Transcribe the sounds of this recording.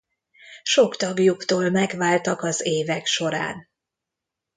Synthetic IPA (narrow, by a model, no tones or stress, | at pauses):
ʃo̞kt̪ɒɡjukt̪oːlmɛɡʋaːlt̪ɒkɒzeːvɛkʃo̞ɾa̰ːn